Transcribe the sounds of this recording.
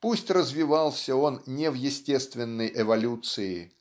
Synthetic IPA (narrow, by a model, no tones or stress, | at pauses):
pusʲtʲrəzvʲɪvɑlˠsʲəo̞nnʲevjɪsʲtʲest̪vʲɪnːəjʔɛvɐlʲut̪sɨɪ